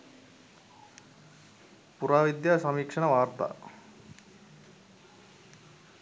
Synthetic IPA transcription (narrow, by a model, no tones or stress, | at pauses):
puɾaːʋid̪jaːsɐmikʂɐɳɐʋaːrt̪a̰ː